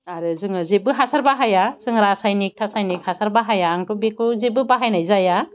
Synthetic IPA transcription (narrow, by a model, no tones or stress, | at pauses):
aɾɯzɯŋɯzebɯɦasaɾbaɦajasɯŋɾasajnik̚tʰasajnikhasaɾbaɦajaːŋtubekuzebɯbaɦajnajzaja